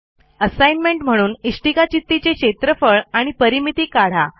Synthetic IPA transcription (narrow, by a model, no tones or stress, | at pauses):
əsajnmeɳʈm̤əɽ̃uːniʂʈikat͡ɕit̪ːit͡ɕekɕet̪ɾəfəɭaɽ̃ipəɾimit̪iːkaɽ̤a